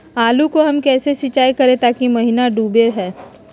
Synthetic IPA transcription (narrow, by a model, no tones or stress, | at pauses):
aːlukoɦɐmkɛːsesɪt͡ʃaːjkɐɾẽt̪aːkimɐɦinaɖuːbeɦɛː